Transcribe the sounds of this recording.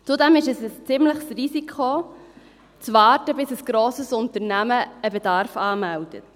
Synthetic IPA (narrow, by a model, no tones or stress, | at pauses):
t͡sudɛmɪʃəsəst͡sɪmləχsrisikʰχo | t͡svɑːtəbɪsəsɡ̥ɾoːsəsʊntəɾnæməəbɛdɑɾfɑːmæld̥ə̰t